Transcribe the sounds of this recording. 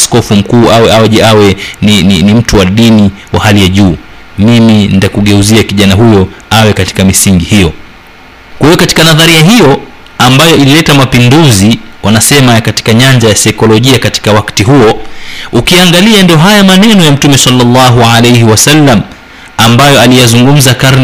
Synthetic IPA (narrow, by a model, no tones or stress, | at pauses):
askɔfum̩kuːawɛawɛʄɛawɛnininim̩tuwaɗiniwahalijaʄuː | miminitakuɠɛuziakiʄanaɦujɔawɛkati̥kamisiŋɡihijɔ | kwahijɔkati̥kanaðaɾiaɦijɔ | ambajɔililɛtamapinduziwʔanasɛmakati̥kaɲaɲd͡ʒajasajkɔlɔʄiakati̥kawaktiɦuɔukiaŋɡaliandiɔɦajamanɛnɔjam̩tumɛsɑlːɑlːaɦualejhiwasalːam̩ | ambajɔalijazuŋɡum̩zakaɾn